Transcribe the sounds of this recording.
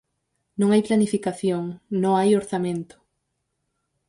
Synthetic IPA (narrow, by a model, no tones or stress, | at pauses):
nõŋajplanifikaθjoŋnõŋajoɾθamẽnt̪ʊ̥